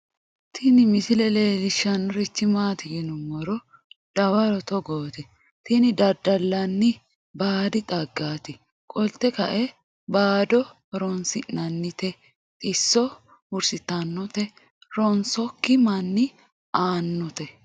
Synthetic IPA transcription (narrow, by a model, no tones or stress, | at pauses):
t̪ʰɪnɪmɪsɪlɛleːlɪʃːɐnɾɪt͡ʃːɪmaːt̪ɪɡɪnʊmɔɾɔ | d̪̥ɐwɐɾɔt̪ɔɡoːt̪ɛ | t̪inɪd̪ɐd̪ɐlːɐnːɪ | baːd̪ɪt̪ʼɐɡːaːt̪ɪ | kʼɔlt̪ːɛkɐʔɛ | baːd̪ɔ | ɾɔnsɪʔnɐnːɪt̪ɛ | t̪ʼɪsːɔ | ʊɾsɪt̪ːɐnːɔt̪ɛ | ɾɔnsɔkːɪmɐnːɪ | aːnːɔt̪ɛ